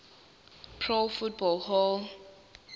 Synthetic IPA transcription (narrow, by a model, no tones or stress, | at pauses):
pʰɹolfut̚bɔlhɔl